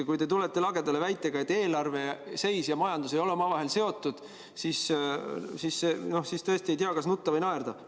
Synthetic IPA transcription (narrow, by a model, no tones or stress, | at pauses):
kujt̪e̞t̪ulet̪ːˑe̞lɑɡ̥e̞d̪̥ɑle̞væjt̪ːˑe̞ɡ̥ɑe̞t̪ːe̞ːlɑrve̞se̞jsjɑmɑjɑnd̪̥us̬ejo̞leomɑvɑɦe̞lse̞o̞t̪ːˑud̪̥ | sis | sisːeno̞hsist̪ɤesʲt̪ie̞jt̪iɑkɑsnut̪ːɑvɤjnɑerd̪̥ɑ